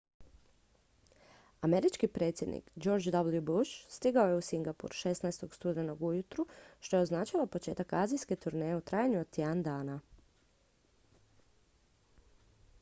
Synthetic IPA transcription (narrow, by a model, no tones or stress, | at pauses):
ame̞ɾit͡ʃkipɾe̞ːt̪sʲje̞d̪nḭkd͡ʒo̞ɾd͡ʒd̪ablˠjubuʃst̪iɡao̞je̞usiŋɡapṵɾʃe̞snaest̪o̞ɡst̪ud̪eno̞ɡujut̪ɾuʃt̪o̞jeo̞znaːt͡ʃaʋapo̞t͡ʃe̞ːt̪akaːzijske̞t̪uɾnejeut̪ɾaːjaɲuod̪t̪iand̪aːna